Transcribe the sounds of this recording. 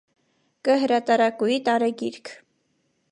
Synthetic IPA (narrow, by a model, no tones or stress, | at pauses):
kəɦəɾɑt̪ɑɾɑkujit̪ɑɾɛɡiɾkʰ